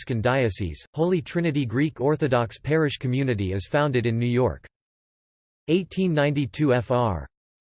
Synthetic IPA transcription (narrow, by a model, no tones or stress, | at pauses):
skɨ̃ndaɪɨsḭz̥hoʊlˠitʰɹ̥ɪ̃nɨɾiɡɹikʰɔɹθɨdɑkspʰɛɹɨʃkʰɨmjʉnɨɾiɪz̥fãʊ̃ndɨɾɨ̃nːʉjɔ̰ɹk | eɪtʰĩnːãɪ̃ntitʰʉɛfɑɹ